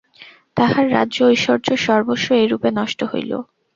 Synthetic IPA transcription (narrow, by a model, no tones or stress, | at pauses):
t̪ahaɾːa̰dːʑoojʃɔɾd͡ʑoʃɔɾboʃːoejɾupenɔʃʈoɦo̰jlo̰